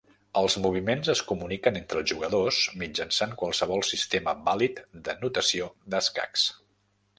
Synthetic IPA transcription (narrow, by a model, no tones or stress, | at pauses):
əlˠzmuβ̞imenzəskumunikənent̪ɾəlˠʒuɣəðosmid͡ʒənsaŋkwəlˠsəβ̞ɔlˠsist̪eməβalit̪d̪ənut̪əsiod̪əska̰ks